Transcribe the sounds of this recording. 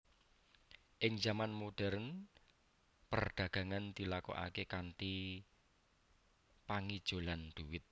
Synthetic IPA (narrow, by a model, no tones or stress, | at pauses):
ʔɪŋd͡ʒamanmoɖ̥ɛɾn | pərɖ̪̥ä̤ɡ̥ä̤ŋand̪̥i̤lako̰ʔa̰kekant̪i | paŋid̥ʒ̥o̤land̪̥uwɪt̪̚